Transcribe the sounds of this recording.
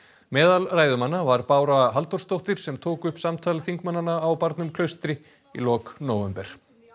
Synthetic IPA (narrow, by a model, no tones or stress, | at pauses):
mɛːðalraːjðʏmanːavaɾpaːwɾaɦalt̪ɔrst̪owht̪ɪɾ̥sɛmt̪ʰoːkʏhpsamt̪ʰaːlɪθiŋkmanːanaːwpaɾt̪nʏmkʰlœɥst̪ɾɪ | ḭlɔːknoːwvɛmpɛɾ̥